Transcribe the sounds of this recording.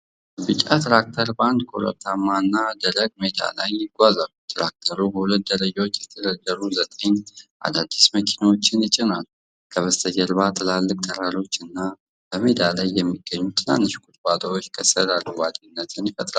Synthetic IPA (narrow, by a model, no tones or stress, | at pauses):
bɨt͡ʃʼat̪ʰɾak̚t̪ʰəɾband̪kʼo̰ɾə̰t̪ʰːamːaɨnːad̪ələɡ̚med̪a̰lajːɪɡʷazalut̪ʰɾak̚t̪ʰəɾubəhulət̪̚d̪əɾəd͡ʒawot͡ʃːjɛt̪ʰəd̪əd̪ːəɾuzət̪ʼeɲʔa̰d̪ad̪ːisməkʰinawo̞t͡ʃːɪnjɪt͡ʃʼːɪnalːu | kʰəβəst̪ʰəd͡ʒɛlβat̪ʰɨlalːɨkʼt̪ʰəɾalo̞t͡ʃːɨnːa | b̥əmed̪alajːɛmːiɡ̥ːəɲːut̪ʰɨla̰nːɨʃkʼut̪ʼbat̪ʰʼəwot͡ʃːkʰəsəɾalːuwad̪inːət̪ʰɨnjifʼət̪ʼɾal